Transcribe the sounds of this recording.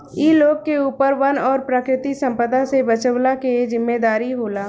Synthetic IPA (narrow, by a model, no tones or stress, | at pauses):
iːloːɡ̚keuːpəɾʋɐnɔːɾpɾəkɾɪt̪isə̃mpəd̪asebət͡ʃəʋlakezɪmːed̪aːɾiɦoːlaː